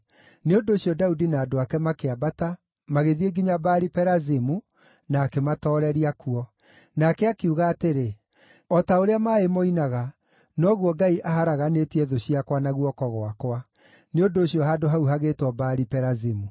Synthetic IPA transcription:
neondoːɕiɔdaudinaːdoakɛmakeabata | maɣeðieɡiɲabaɾipɛɾazimu | naːkematɔːɾɛɾiakuɔ | nakɛakeuɣaːteɾe | ɔtaoɾeamaːemoinaɣa | nɔɣuɔɡaiʔaɦaɾaɣanetiɛðoɕiakwanaɣuɔkɔɣoakwa | neondoːɕiɔɦaːdoɦauɦaɣeːtwɔbaɾipɛɾazimu

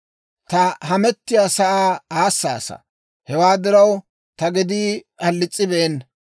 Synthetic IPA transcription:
t̪ɐɦɐmɛt̪ːɪjaːsɐʔaːaːsːa̰ːsɐ̰ | hɛwaːd̪ɪɾɐw | t̪ɐɡɪd̪iː | ɐlːɪt͡sʼːɪbɛʔɛn

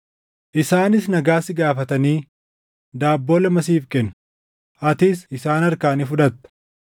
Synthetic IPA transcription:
ʔɪsaːnɪsnɐɡaːsɪɡaːfɐt̪ɐniː | d̪aːbːo̞ːlɐmɐsiːfkɛnːʊ̥ | ʔɐt̪ɪsɪsaːnɐɾkaːnifʊᶑɐt̪ːɐ̥

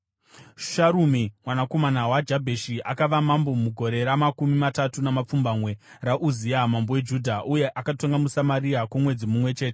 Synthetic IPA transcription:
ʃaɾumimwanako̞manawad͡ʒabʱeʃiʔa̰kaʋamambo̞muɡʱo̞ɾe̞ɾamakumimatatunamap͡fumbamwe̞ | raʔuziamambowe̞d͡ʒudʱaʔuje̞ʔakatoŋɡamusamaɾiakumwe̞d͡zimumwe̞t͡ʃe̞ːte

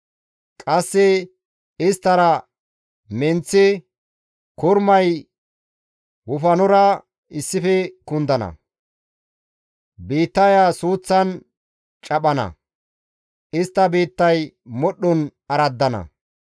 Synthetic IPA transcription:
kʼɐsːɛ | ɪst̪ːɐɾɐ | mɛnt͡sːɪ | kʊɾmɐj | wʊfɐnɔɾɐ | ɪsːɪfɛkʊnd̪ɐnɐ̰ | biːt̪ːɐjasuːt͡sːɐn | t͡ʃʼɐɓɐnɐ̰ | ʔɪst̪ːɐbiːt̪ːɐj | mɔɗːʊnɐɾɐd̪ːɐnɐ̰

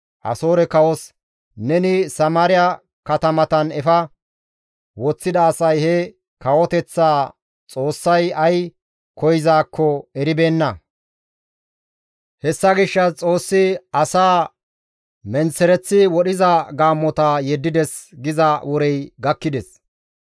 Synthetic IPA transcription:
ʔɐ̰so̞ːɾɛkɐwɔs | nɛnɪsɐmaːɾɪjɐ | kɐt̪ɐmɐt̪ɐnɛfɐ | wɔt͡sːɪd̪ɐːsɐjhɛ | kɐwɔt̪ɛt͡sːaː | t͡sʼo̞ːsːɐjɐj | kɔjɪzaːkʰːɔɛɾɪbe̞ːnːɐ | hɛsːɐɡɪʃːɐt͡sʼo̞ːsːɪɐsaː | mɛnsɛɾɛt͡sːɪwɔɗɪzɐɡaːmːɔt̪ɐjɛd̪ːɪd̪ɛsɡɪzɐwɔɾɛjɡɐkːɪd̪ɛs

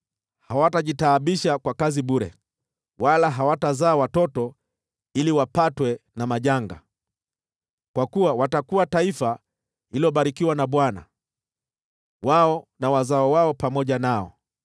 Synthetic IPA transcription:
hawataʄitaːɓiʃakwakaziɓuɾɛ̰ | walaɦawatazaːwatɔtɔ | iliwapatwɛnamaʄaŋɡa̰ | kwakuwawatakuataifa | iliɔɓaɾikiwanaɓwana̰ | waɔnawazaɔwaɔpamɔʄanaɔ̰

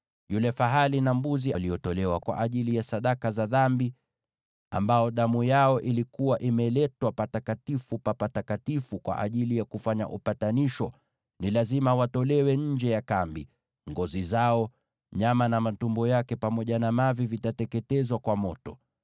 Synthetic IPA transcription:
julɛfaɦalinambuzialiɔtɔlɛwakwa̰ʔaʄilijasaɗakazaðambi | a̰mbaɔɗamujaɔʔilikuwaʔimɛlɛtwapatakatifupapatakatifukwa̰ʔa̰ʄilijakufaɲa̰ʔṵpataniʃɔ | nilazimawatɔlɛwɛɲ̩d͡ʒɛjakambi | ŋɡɔzizaɔ | ɲamanamatumbɔjakɛpamɔʄanamavivitatɛkɛtɛzwakwamɔtɔ

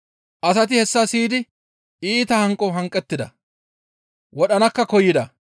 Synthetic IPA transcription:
ʔɐsɐt̪ɪhɛsːɐsiːd̪ɪ | iːt̪ɐhɐŋkʼɔɦɐŋkʼːɛt̪ːɪd̪ɐ̰ | wɔɗɐnɐkːɐkɔjːɪd̪ɐ

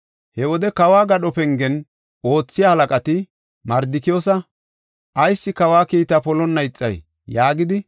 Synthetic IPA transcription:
hɛwɔd̪ɛkɐwaːɡɐɗɔpɛŋɡɛn | o̞ːt͡sːɪjaːhɐlɐkʼɐt̪ɪ | mɐɾd̪ɪkɪjoːsɐ | ʔɐjsːɪkɐwaːkiːt̪ɐpɔlɔnːɐjt͡sʼːɐ̰j | jaːɡɪd̪ɪ

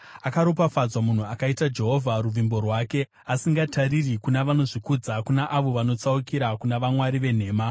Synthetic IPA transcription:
akaɾopafad͡zwamun̤uakaitad͡ʒe̞ɦo̞vʱaɾuvʱimbo̞rwaːke̞ | asiŋɡatʰaɾirikunaʋano̞ʐikud͡zakunaʔaʋo̞ʋano̞t͡saukiɾakunaʋamwaɾiʋe̞n̤e̞ːma

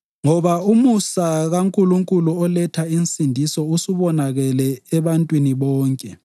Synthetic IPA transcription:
ŋɔβaumusaɣaŋkʼuluŋkʼuluɔlɛtʰainsʼindʱisɔusuβɔnaɣɛlɛɛβantʼwiniβɔːŋkʼɛ

